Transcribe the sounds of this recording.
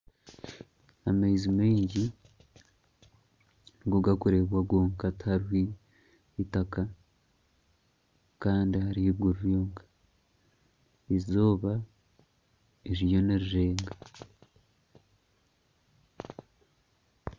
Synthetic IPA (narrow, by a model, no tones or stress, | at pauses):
amejzimeːɲɟi | nɡuɡakuɾe̞βwaɡwoːŋkathaɾwiː | taka | kaːndihaɾiβɡuɾuɾjoːŋɡa | izoːβa | eɾijo̞neɾiɾeːŋɡa